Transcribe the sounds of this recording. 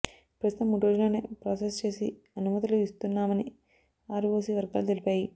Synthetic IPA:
pɾɐst̪ɐmːuːɽuɾo̞ːd͡ʒulo̞ːnḛːpɾoːsest͡ʃe̞ːsi | ɐnumɐt̪iluist̪unːaːmɐni | aːɾuʋoːsiʋɐɾɡa̰ːlut̪elipaːji

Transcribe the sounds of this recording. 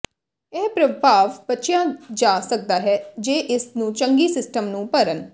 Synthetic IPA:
ɛːpɾəbʱaːʋbətːʃjãːd͡ʒaːsək̚d̪aːɦɛːd͡ʒeːʔɪsnũːt͡ʃəŋɡiːsɪsʈəmnũːpəɾən

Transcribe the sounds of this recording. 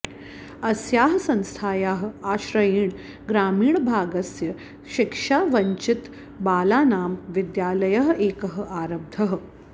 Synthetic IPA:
ɐsjaːɦsɐ̃nst̪ʰaːjaːɦaːɕɾɐjiːɳ | ɡɾaːmiːɳbʱaːɡɐsjɐ | ɕikʂaʋɐɲt͡ʃit̪ | baːlaːnaːmʋid̪jaːlɐjɐɦʔeːkɐɦəaːɾɐb̚d̪ʱɐɦ

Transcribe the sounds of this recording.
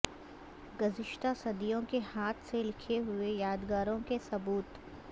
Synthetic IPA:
ɡɐzɪʃt̪asɐd̪ijõkehaːt̪ʰselɪkʰeɦʊejaːd̪ɡaːɾõkesɐbuːt̪

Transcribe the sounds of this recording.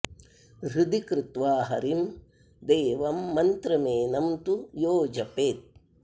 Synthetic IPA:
ɾud̪ikɾɪt̪ʋaːɦɐɾim | d̪eːʋɐmːɐnt̪ɾɐmeːnɐmt̪ujoːd͡ʒɐpeːt̪̚

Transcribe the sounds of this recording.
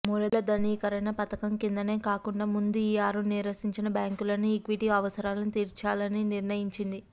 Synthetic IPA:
muːlɐlɐd̪ɐniːkɐɾɐjnɐpɐt̪ɐkɐmkind̪ɐne̞ːkaːkuɳɖaːmund̪uijaːɾuniːɾʋɐsiɲt͡ʃinɐbaːŋkulɐnuikʋiʈiɐʋɐsɐɾaːlɐnit̪iːɾt͡ʃaːlɐniniɾnɐjiɲt͡ʃind̪i

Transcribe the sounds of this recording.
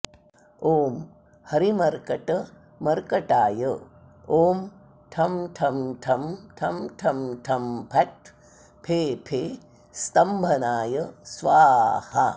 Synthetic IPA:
oːm | hɐɾimɐɾkɐʈɐ | mɐɾkɐʈaːjə | oːm | ʈʰɐmʈʰɐmʈʰɐmʈʰɐmʈʰɐmʈʰɐmpʰɐʈ̚ | pʰeːpʰeː | st̪ɐmbʱɐnaːjəsʋaːhɐ

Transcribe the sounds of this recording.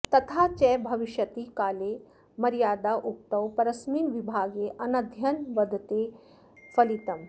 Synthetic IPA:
t̪ɐt̪ʰaːt͡ʃɛːbʱɐʋiʃjɐt̪ikaːle | mɐɾijaːd̪aːʔuk̚t̪ɐwpɐɾɐsmiːnʋibʱaːɡeʔɐnɐd̪ʱjɐnʋɐd̪ʱt̪e | fɐlit̪ɐm

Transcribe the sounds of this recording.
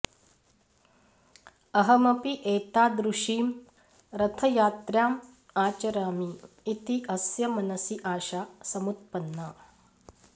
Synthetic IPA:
ɐɦɐmɐpiʔeːt̪aːd̪ɾuʂiːm | ɾɐt̪ʰɐjaːt̪ɾjaːm | aːt͡ʃɐɾaːmiː | t̪iʔɐsjɐmɐnɐsiʔaːʃaːsɐmut̪̚pɐnːa

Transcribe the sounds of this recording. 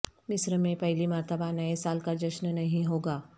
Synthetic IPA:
mɪsɾəmẽpɛɦlimaɾt̪əbanɐesaːlkad͡ʒɐʃnnɐɦĩɦoːɡaː

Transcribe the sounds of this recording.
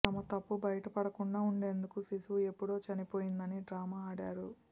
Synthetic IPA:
ɐmɐt̪ɐpːubɐjɐʈɐpɐɽɐkuɳɖaːuɳɖe̞ːnd̪ukusisuʋue̞pːuɽo̞ːt͡ʃɐnipoːjind̪ɐniɖɾaːmaːɽaːɾu

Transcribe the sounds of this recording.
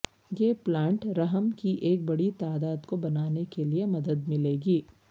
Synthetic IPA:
jeːplãːɳʈɾɐɦəmkiʔeːk̚bɐɽit̪aːd̪aːd̪kobɐnaːnekeliemɐd̪əd̪mɪleːɡiː

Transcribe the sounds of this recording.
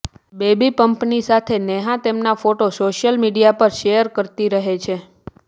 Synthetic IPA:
bebipəmpnisat̪ʰeneɦãt̪emnafoʈosoʃjəlmiɖijapəɾʃejəɾkəɾt̪iɾəɦet͡ʃʰe

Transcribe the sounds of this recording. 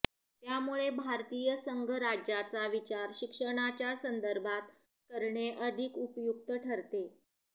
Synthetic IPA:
t̪jamuɭebʱaɾt̪iːjəsəŋɡʱəɾad͡ʑat͡saʋit͡ɕaɾɕikʂəɽ̃at͡ɕjasənd̪əɾbʱat̪ | kəɾɳeʔəd̪ʱikupjuk̚t̪əʈʰəɾt̪e

